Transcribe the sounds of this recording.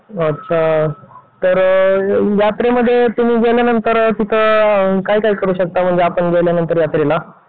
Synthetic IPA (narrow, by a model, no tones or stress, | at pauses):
ətːɕʰa | t̪əɾ | jat̪ɾeməd̪ʱːjet̪umiːɡelenənt̪əɾt̪it̪ʰəkaɦiːkaɦiːkəɾuːɕək̚t̪am̤əɳd͡zeapəɳɡelenənt̪əɾjat̪ɾela